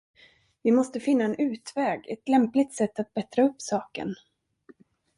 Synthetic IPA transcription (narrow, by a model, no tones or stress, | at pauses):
vɪmɔst̪əfɪnːaɛnʉ̟ːt̪vɛːɡɛ̰t̪lɛmplɪt̪sɛt̪ːat̪̚bɛt̪ɾaɵpːsɑːkə̰n